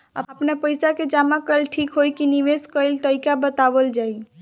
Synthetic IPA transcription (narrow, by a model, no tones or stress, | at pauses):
ə̰əpnapəjsaked͡ʒamakəlʈʰikɦojkiniʋeskəjlt̪əikabət̪abəld͡ʒaj